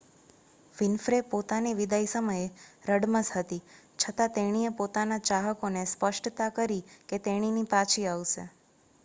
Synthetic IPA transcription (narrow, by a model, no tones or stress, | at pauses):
ʋɪnfɾepot̪aneʋid̪ajsəməjeɾəɽməsɦət̪i | t͡ʃʰət̪at̪eɽ̃iepot̪anat͡ʃaɦəkonespəʂʈt̪akəɾiket̪eɽ̃inipat͡ʃʰiaʋʃḛ